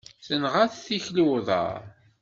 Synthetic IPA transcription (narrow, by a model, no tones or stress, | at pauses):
θənʁaθθiçluðˤɑ̰ɾ